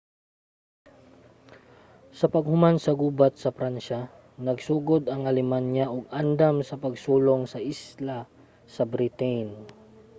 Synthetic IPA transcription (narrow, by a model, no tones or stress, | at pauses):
sɐpɐɡ̚hʊmansɐɡuːbat̪̚sɐpɾanʃa | nɐɡsuːɡod̪ɐŋɐlɛmanjaʔoɡ̚and̪amsɐpɐɡsuːloŋsɐʔisla | sɐbɾɪt̪ɛjn